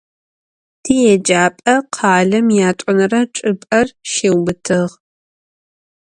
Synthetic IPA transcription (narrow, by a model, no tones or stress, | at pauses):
tʰiːjɛd͡ʒaːpʼɐqʰɑːɮɐmjaːtʷʼʊnɐrɐʈ͡ʂʼɨpʼɐrʃeːwbɨtʰɨʁ